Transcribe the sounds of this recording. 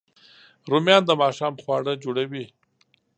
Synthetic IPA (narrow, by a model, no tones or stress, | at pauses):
ɾumjɑːnd̪əmɑʃɑːmχwɑːɽəd͡ʒoɽawi